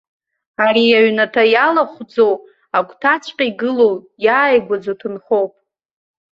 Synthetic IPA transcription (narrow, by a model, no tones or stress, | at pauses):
aɾiaɥnatʰajalaχʷd͡zow | akʷʼtʰat͡ʃʷʰʼqʲʼaiɡɨlow | jaːjɡʷad͡zotʰɨnχowpʼ